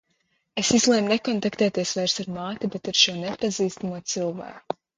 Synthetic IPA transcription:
esizlˠɛjmnekɔnt̪akt̪ɛːt̪iɛsvajɾsaɾmaːt̪ibet̪aɾʃuɔnepaziːst̪amuɔt̪silˠva̰ːku

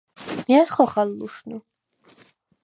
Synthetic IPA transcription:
jat̪χɔχalːuʃnu

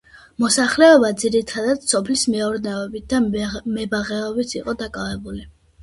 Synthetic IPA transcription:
mɔsaχlɛɔbad̪ziɾit̪ʰad̪ad̪̥sɔpʰlismɛuɾnɛɔbit̪̚d̪amɛbaʁɛɔbit̪ʰiqʼɔd̪akʼavɛbuli

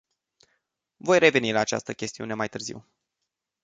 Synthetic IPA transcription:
vo̞jɾe̞ve̞nilaːt͡ʃa̰st̪əkʲe̞st̪iune̞majt̪ɨrzḭw

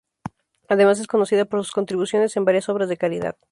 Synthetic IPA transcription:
aðe̞mas̬e̞sko̞no̞siðapoɾsu̥sko̞nt̪ɾiβusjo̞ne̞se̞mbaɾjaso̞βɾazðekaliða̰ð

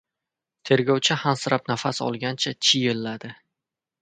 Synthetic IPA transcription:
t̪ʰe̞ɾɡʲɒwt͡ʃʰahansɪɾʔapnafasɒ̰lˠɡʲant͡ʃʰat͡ʃʰɪjɪlːad̪ɪ

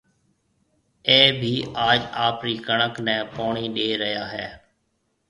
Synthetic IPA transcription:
eːbʱiːʔaːd͡ʒaːpɾiːkəɳəknɛ̃ːpoːɳiːɗeːɾəɦjaːɦɛ̰ː

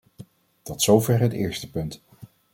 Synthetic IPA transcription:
d̥ɑtsowvɛrɦətɪ̰ːɹstəpɵnt

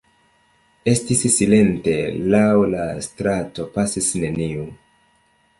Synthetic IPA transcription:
e̞stisːile̞nte̞lawlastɾato̞pasisne̞niu

